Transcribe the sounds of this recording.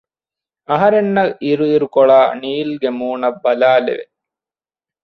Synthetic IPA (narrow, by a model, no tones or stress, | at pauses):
ɐɦɐɾenːɐʔiɾuiɾukoɭaːniːlɡemuːnɐbːɐlaːlḛʋḛ